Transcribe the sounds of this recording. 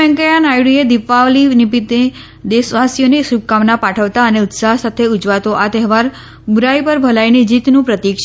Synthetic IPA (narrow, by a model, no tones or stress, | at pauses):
ɛ̃ŋkəjanajɽied̪ɪfaʋlinipit̪e | d̪esʋasjonesubkamnapaʈʰəʋt̪aəneʊt̪saɦsat̪ʰeʊd͡ʒʋat̪oʔat̪ɛɦʋaɾ | buɾaipəɾbʱəlainid͡ʒit̪nũpɾət̪ikʃ